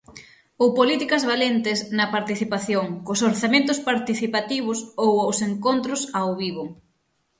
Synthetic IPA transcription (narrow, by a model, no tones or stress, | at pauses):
owpolit̪ikɐzβalent̪ɪsnɐpaɾt̪iθipaθjoŋkosoɾθamẽnt̪̬ʊspaɾt̪iθipat̪iβ̞ʊsowawseŋkont̪ɾʊsawβiβʊ